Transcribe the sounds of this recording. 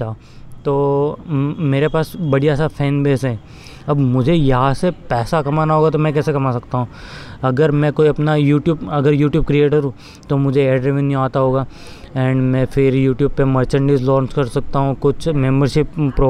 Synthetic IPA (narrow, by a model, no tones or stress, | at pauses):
a | t̪oː | meːɾepaːsbɐɽijasapʰɛːnbeːsɦɛ̃ː | ɐbmʊd͡ʒʱejɐɦãsepɛːsakɐmaːnaɦoːɡat̪̬omɛ̃kɛːsekɐmaːsɐkt̪aɦũːɐɡəɾmɛ̃koːiɐpnajuːʈjuːbɐɡəɾjuːʈjuːb̚kɾieːʈəɾɦũː | t̪omʊd͡ʒʱeeːɖɾeʋə̃njuaːt̪aɦoːɡaː | ɛ̃ːɳɖmɛ̃fʰɪɾjuːʈjuːb̚pemɐɾt͡ʃə̃ɳɖiːzlɔ̃ːɲt͡ʃkɐɾsɐk̚t̪aɦũkʊt͡ʃʰmẽːmbəɾʃɪpːɾo